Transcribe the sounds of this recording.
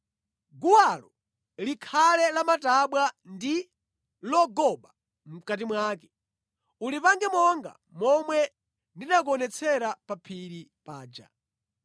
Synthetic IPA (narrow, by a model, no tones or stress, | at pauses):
ɡuwalɔ | likʰalɛlamataɓwandi | lɔɡɔɓa | m̩kat̬imwaːkɛ | ulipaŋɡɛmɔŋɡa̰ | mɔmwɛ | ndinak̬ɔnɛt͡sʰɛɾapapʰiɾipaːd͡ʒa̰